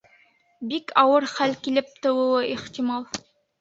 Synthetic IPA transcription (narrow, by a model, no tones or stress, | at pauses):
bikʰɑwɤɾχælkilɘp̚t̪ɤ̆wɤ̆w̪ˠɤʔiχt̪imɑlˠ